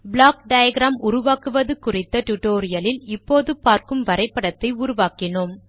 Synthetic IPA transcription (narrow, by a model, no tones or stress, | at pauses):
blaːkɖɐjɐɡɾaːmʔʊɾʊʋaːkɯʋɐðɯkːʊrɪt̪ːɐʈʊʈoːɾɪjɐlɪlɪpːoːðɯpaːɾkɯmʋɐɾɐɪpːɐɽɐt̪ːɐɪʊɾʊʋaːkɪnom